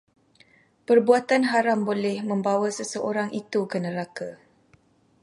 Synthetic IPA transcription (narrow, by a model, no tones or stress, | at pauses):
pərbuat̪anɦaɾambolɛhmə̃mbawasəsəʔoɾaŋʔit̪ukənə̃ɾaka